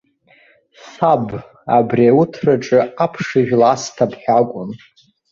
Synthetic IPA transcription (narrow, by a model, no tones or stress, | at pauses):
sab | a̰briawʊtʰraʈ͡ʂʼɨapʰʂɨʒᶣlastʰapʰħakʷʼʊn